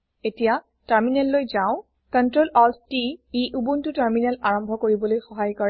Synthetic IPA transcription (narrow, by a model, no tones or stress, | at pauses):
etija | taɹminɛlːojzãʊ̃ | kɔntɹolɔstiiʔubuntʊtaɹminɛlaɹɔmbʱɔkoɹibɔlojxɔɦajkɔɹɛ